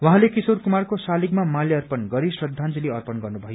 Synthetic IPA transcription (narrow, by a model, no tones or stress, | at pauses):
waɦãlekisorkumarkosalikmamaliʌrpʌnɡʌɾisrʌd̪ʱːand͡ziliʌrpʌnɡʌrnubʱʌjo